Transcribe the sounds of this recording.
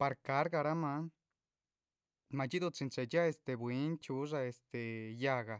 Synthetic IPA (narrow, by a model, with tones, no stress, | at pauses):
pa˧ɾka˧˦ɾɡa˧ɾa˦ma˧˦n | ma˧t͡ʃi˦d̪u˧t͡si˧nt͡ʃe˧˨t͡ʃa˦e˧˨st̪e˧˨bwi˨˦nt͡ʃu˦ʐa˧e˧st̪e˨ja˧ɡa˨